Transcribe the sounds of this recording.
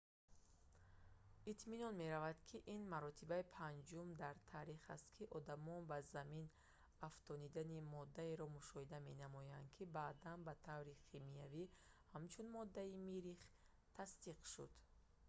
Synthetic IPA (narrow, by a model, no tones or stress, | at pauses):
it̪ʰminɔnme̞ɾavad̪kʰiʔinmaɾɔt̪ʰibaipʰand͡ʒumd̪aɾt̪ʰaɾiχa̰st̪kʰiʔɔd̪amɔnbazamin | aft̪ʰɔnid̪animɔd̪ːaeɾɔmuʃɔhid̪ame̞namɔjand̪̚kʰibaːd̪anbat̪ʰavɾiqʰimiavihamt͡ʃʰunmɔd̪ːaimiɾiχ | t̪ʰast̪iqʃud̪̥